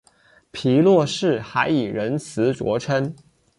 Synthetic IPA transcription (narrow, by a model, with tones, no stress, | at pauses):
pʰi˧˥lwɔ˥˧ʂɻ̩˥˩xa˧˥ɪi˨˩ɻə˧˥nt͡sʰɹ̩˧˥ʈ͡ʂwɔ̰˧˥ʈ͡ʂʰə˥n